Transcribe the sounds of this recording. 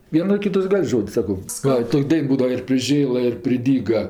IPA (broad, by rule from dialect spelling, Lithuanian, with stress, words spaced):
ˈʋʲiɛnoː ˈkʲɪtɐs ˈɡɐlʲ ˈʒoːtʲsʲ ˈsɑːkoː ˈʋɐ ˈtoːkʲ ˈdɐɪn ˈbuːdɐʋɐ ɪr pʲrʲɪˈʒʲeːlˠɐ ɪr pʲrʲɪˈdʲiːɡɐ